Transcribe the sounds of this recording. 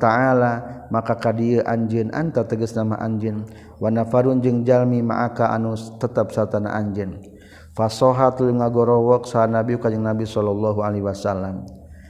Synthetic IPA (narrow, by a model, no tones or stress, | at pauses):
t̪aalamakakadiəʔaɲd͡ʒənʔa̰nt̪at̪əɡəsnama̰ʔaɲd͡ʒən | wanafaɾund͡ʒɨŋd͡ʒalmima̰ʔakaʔa̰nut̪ət̪əp̚sart̪ana̰ʔaɲd͡ʒən | fasɔɦat̪luŋaɡɔɾɔwɔk̚saanabiukad͡ʒəŋnabisɔlɔlːɔɦualɛɦwasalːam